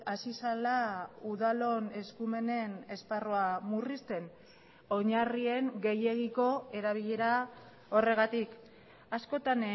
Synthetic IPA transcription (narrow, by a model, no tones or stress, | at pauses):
asisalauðalo̞ne̞skume̞ne̞ne̞sparoamurist̪e̞n | o̞ɲarie̞ŋɡe̞jeɣ̞iko̞e̞ɾaβ̞iʎe̞ɾa | o̞re̞ɣat̪ik | asko̞t̪an